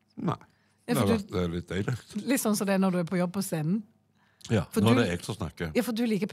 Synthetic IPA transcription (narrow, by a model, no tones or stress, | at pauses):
næ̰ | jɑːfɔd̪d̪ɛlɪt̪̚ːɛɪləlɪt̪ːsɔnːsɔd̪ɛænɔd̪ʉæpʰɔjɔbːpʰɔseːnn̩ | jɑ̰ːfɔd̪odɛɛːɡt̪ɔsnɑ̰kːəjɑːfɔd̪ʉliːkəpʰ